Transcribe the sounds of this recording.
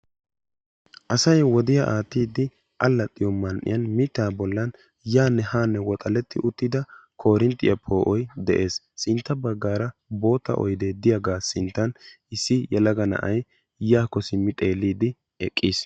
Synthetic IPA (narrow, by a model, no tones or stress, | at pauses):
ʔɐsɐjwɔd̪ɪjaʔaːt̪ːiːd̪ːɪ | ʔɐlːɐt̪ʼːɪjɔmɐnʔɪ̰jɐnmɪt̪ːaːbɔlːɐn | jaːnːɛhaːnːɛwɔt̪ʼɐlɛt̪ːɪʔʊt̪ːɪd̪ɐkʰo̞ːɾɪnt̪ʼːɪjɐpʰo̞ːʔɔjd̪ɛʔe̞ːs | sɪnt̪ːɐbɐɡːaːɾɐbo̞ːt̪ːɐ̰ʔɔ̰jd̪ed̪ɪjɐɡaːsɪnt̪ːɐn | ɪsːɪjɛlɐɡɐnɐ̰ʔɐj | jaːkːɔsɪmːɪt̪ʼe̞ːlːiːd̪ɪ | ɛkʼːiːs